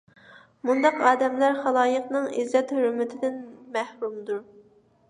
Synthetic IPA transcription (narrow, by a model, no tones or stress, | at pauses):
mund̪ɑqɑːd̪ɛmlæɾχɑlˠɑːjəqnɨŋḭzːɛt̪høɾmɪt̪ʰɪd̪ɪnmæhɾumd̪uɾ